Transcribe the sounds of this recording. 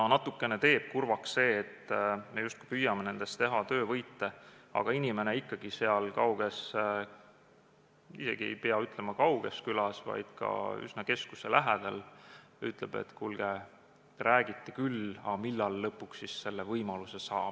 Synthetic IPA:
ɑnɑt̪ːukːˑe̞net̪e̞ːb̥̚kurvɑksse̞ːt̪ːme̞just̪ku̥ipyjːɑmene̞nd̪̥e̞st̪t̪e̞ɦɑt̪ø̞ːvɤjt̪ːe̞ɑ̰ɡ̥ɑinʲime̞ne̞ikːɑɡ̥ise̞ɑlkɑwɡ̥e̞s | ise̞̰ɡ̥ie̞̰jpeɑyt̪ˑlemɑkɑwɡ̥e̞skylɑsvɑ̰jd̪̥kɑ̰y̰snɑke̞skuse̞læɦed̪̥ɑl | yt̪ˑle̞b̥e̞̰t̪ːkulɡ̥e | t̪ɾæːɡ̥it̪ːekylɑ̰milːɑlːɤpːˑuksːisse̞lːevɤjmɑluse̞sɑːb̥̚

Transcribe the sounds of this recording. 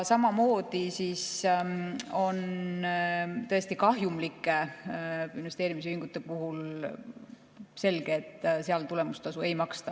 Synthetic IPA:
sɑmɑmo̞ːd̪̥isis | o̞n | t̪ɤ̞e̞st̪ikɑɦjumlikːˑe | inve̞st̪eːɾimis̬iŋɡ̥ut̪ːˑe̞puɦul | se̞lɡ̥eːt̪ːˑseɑlt̪ule̞must̪ɑsue̞jmɑkst̪ɑ

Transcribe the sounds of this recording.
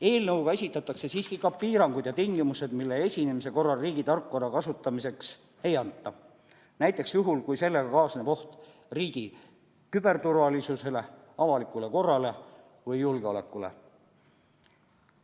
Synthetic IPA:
e̞ːlnɤwɡɑe̞sʲit̪ːˑɑt̪ːˑɑkse̞siːskikɑppːiːɾɑŋɡ̥ud̪jɑt̪iŋɡ̥imuse̞d̪milːe̞e̞sʲinemise̞ko̞rːɑlriːɡ̥it̪ɑrkːuɑɾɑkɑsut̪ˑːɑmise̞ks | e̞jɑnt̪ˑːɑ | næjt̪ːˑe̞ksjuɦulkujse̞lːe̞ɡɑkɑːsnepo̞ht̪ | riːɡ̥i | kyb̥e̞rt̪urvɑlisuse̞le̞ | ɑvɑlikːˑule̞ko̞rːɑle̞ | vɯjːulɡ̥eo̞le̞̰kːˑule̞̰

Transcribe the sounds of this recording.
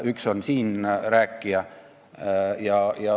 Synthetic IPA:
yksonsiːnræːkːiæ | jɑjɑ

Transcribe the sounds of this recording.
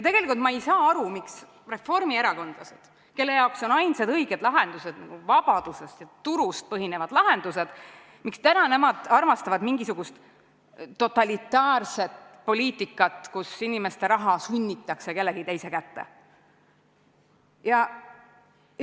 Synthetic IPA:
jɑt̪e̞ɡ̥e̞likult̪mɑejsɑːɑɾumiks | re̞fːo̞rmie̞ɾɑko̞nd̪̥lɑse̞d̪̥ | ke̞lːe̞jɑokso̞nɑjnsɑd̪ɤjɡ̥e̞d̪̥lɑɦe̞nd̪̥use̞d̪̥nɑɡ̥uvɑb̥ɑd̪̥use̞st̪jɑt̪uɾust̪̚pɤɦine̞vɑd̪̥lɑɦe̞nd̪̥use̞d̪̥ | mikst̪ænɑne̞mɑd̪̥ɑrmɑst̪ɑvɑd̪miŋɡisuɡ̥ust̪ː | o̞t̪ːˑɑlit̪ˑːɑːrse̞t̪po̞liːt̪ːˑikːˑɑt̪ˑkusinime̞st̪e̞ɾɑɦɑsynʲːit̪ːˑɑkseke̞lːeɡ̥it̪ejse̞kæt̪ːḛ | jɑ

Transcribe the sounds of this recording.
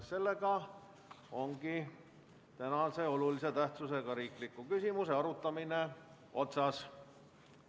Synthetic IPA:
se̞lːe̞ɡɑ | o̞ŋɡi | t̪ænɑse̞o̞lulise̞t̪æht̪suse̞ɡɑɾiːklikːˑukysimuse̞ɑɾut̪ːˑɑmine̞ | o̞t̪sɑs

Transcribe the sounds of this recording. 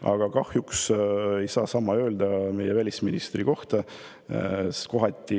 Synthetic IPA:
ɑ̰ɡ̥ɑkɑhjukse̞jsɑːsɑmːɑø̞ːld̪̥ɑme̞jɛvælʲisminist̪riko̞ht̪ɑ | sko̞ɦɑt̪ʲːi

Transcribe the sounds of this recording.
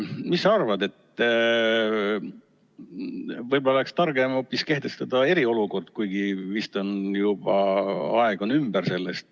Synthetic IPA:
misːɑɑrvɑd̪e̞t̪ː | vɤjbo̞lːɑlekst̪ɑrɡ̥emo̞pːˑiske̞ht̪e̞st̪ɑd̪̥ɑe̞ɾio̞luko̞rd̪̥kujɡ̥ivist̪o̞njub̥ɑɑeɡ̥o̞nymb̥ərse̞lːest̪

